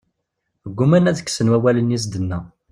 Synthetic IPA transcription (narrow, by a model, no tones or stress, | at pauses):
əɡʷːumænæðəkːsənwæwælənjis̬d̪ənːæ